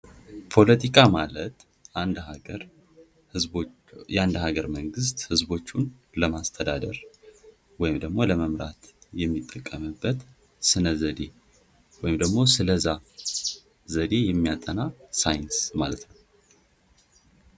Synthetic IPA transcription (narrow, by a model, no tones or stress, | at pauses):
pʰo̞lət̪ʰikʼamalət̪ | nd̪ɾ | ɨ | jand̪haɡəɾməŋɡɨs̬t̪hɨzbo̞t͡ʃːun | ləmast̪ʰəd̪ad̪əɾ | wɔjɪmd̪əɡmo̞ləməmɾa̰t̪jɛmːit̪ʼːəkʼːəmɨbːət̪ | sɨnəzəd̪e̞ | wɔjɪmd̪əɡmo̞sɨləza | zəd̪e̞jɛmːijat̪ʼːənasajɪnsmalət̪nəw